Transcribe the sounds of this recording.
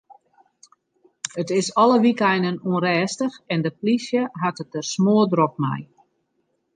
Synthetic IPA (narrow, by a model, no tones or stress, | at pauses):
ətɪsɔləʋikɛjndənuənɾɛːstəxɛndəplisjəɦatət̚ərsmoədrok̚mɛ̰j